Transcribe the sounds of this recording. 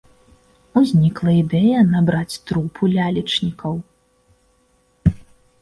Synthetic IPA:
uzʲnʲiklˠɐid̪ɛjɐnabɾat͡sʲt̪ɾupʰulʲalʲit͡ʂnʲikɐw

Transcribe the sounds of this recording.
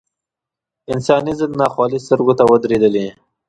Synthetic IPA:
ɪnsɑnizəlnɑxwɑlist̪əɾɡot̪awəd̪ɾed̪əli

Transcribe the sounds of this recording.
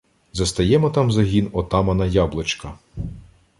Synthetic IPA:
zɐst̪ɐjɛmɔt̪ɑmzɐɦʲinɔt̪ɑmɐnɐjɑblˠet͡ʃkɐ

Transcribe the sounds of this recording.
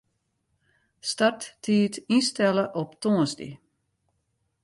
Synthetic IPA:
startːʰiːtinstɛləʔɔptʰoənsdḭ

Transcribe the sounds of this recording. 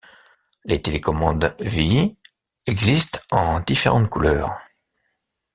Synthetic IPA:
let̪elekɔmɑ̃d̪vi | ɛɡzist̪ɑ̃d̪ifeʁɑ̃t̪kulœːʁ

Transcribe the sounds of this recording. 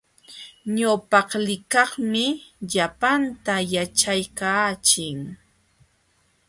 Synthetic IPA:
ɲawpɑχlɪkɑχmɪʎapant̪ajat͡ʃajkaːt͡ʃɪŋ

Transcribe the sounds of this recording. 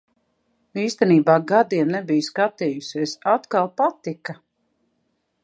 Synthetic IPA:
iːst̪ɛniːbaːɡad̪iɛnnebijskat̪iːjusiesat̪kalˠpat̪ika

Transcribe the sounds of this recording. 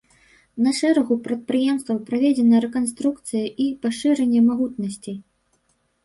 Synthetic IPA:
nɐʂɛɾɐɣupɾɐt̪̚pɾɨjɛmst̪vɐwpɾavʲɛd͡zʲɛnɐɾɛkanst̪ɾuk̚t̪sɨjɐʔipaʂɨɾɛnʲːɛmaɣut̪nɐsʲt͡sʲi

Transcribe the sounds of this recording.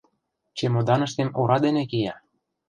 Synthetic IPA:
t͡ɕemod̪ɑnə̆ʃt̪emuɾɑd̪enekijɑ

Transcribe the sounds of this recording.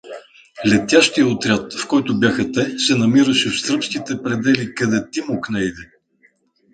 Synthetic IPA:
lɛt̪ʲjaʃt̪ijəot̪ɾʲat̪fkɔjt̪ʊbjaxɐt̪ɛsɛnɐmiɾəʃɛfst̪ɾɤpsk̟it̪ɛpɾɛd̪ɛlikɐd̪ɛt̪imoknɛid̪ɛ

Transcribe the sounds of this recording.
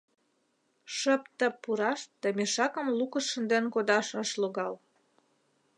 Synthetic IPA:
ʃəpt̪ə̆pːuɾɑʃd̪əmeʃɑkə̆mlukəʃʃə̆nd̪enkod̪ɑʃəʃloɣɑl

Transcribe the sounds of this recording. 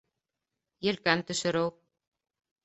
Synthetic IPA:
jɛlkant̪ʏsʏɾow

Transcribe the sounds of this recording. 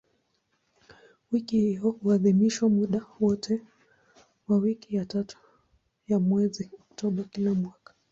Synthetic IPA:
wikihiɔhuaðimiʃwamuɗawɔtʰɛ | wawikijatatu̥ | jamwɛziɔk̚tɔɓakilamwakḁ

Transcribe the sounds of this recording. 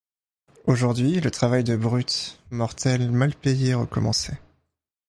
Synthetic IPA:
oʒuʁd̪ɥilət̪χavajd̪əbʁyt̪mɔʁt̪ɛlmalpejeʁəkɔmɑ̃sɛ

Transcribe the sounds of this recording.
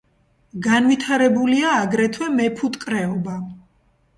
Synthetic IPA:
ɡanvit̪ʰaɾɛbuliaːɡɾɛt̪ʰwɛmɛpʰut̪ʼkʼɾɛɔba

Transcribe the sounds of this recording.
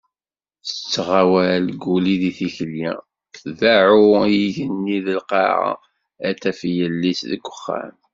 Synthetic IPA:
θət͡sːʁawæɾlɡuliðiθiçəljḭ | θðaʕujiʝənːiðəlqɑ̰ɾ̰ | æt̪ːæfjəlːisðəɡʷːə̥χːæ̰m

